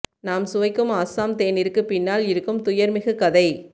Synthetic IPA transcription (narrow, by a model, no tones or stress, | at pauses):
naːmsʊʋɐɪkːɯmaːsaːmt̪eːnɪɾɯkːɯpɪnːaːlɪɾɯkːɯmt̪ʊjɐɾmɪɣɯkɐðɐɪ